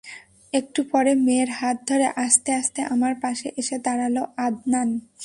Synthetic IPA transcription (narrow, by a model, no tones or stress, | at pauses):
ek̚ʈupɔɾemeɾɦat̪̚d̪ʱoɾeʔaʃt̪eaʃt̪eʔamaɾpaʃeʔeʃed̪aɾaloʔad̪nan